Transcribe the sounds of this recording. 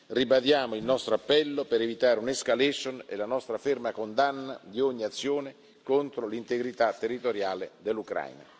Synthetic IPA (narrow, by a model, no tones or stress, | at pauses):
ribad̪jaːmoilnɔst̪ɾoapːɛlːopeɾevit̪aːɾeuneskalɛʃonḛlanɔst̪ɾafermakond̪anːad̪ioɲːiat̪sːjoːne | kont̪ɾolint̪eɡɾit̪at̪ːerːit̪oɾjaːled̪elːukɾa̰jna̰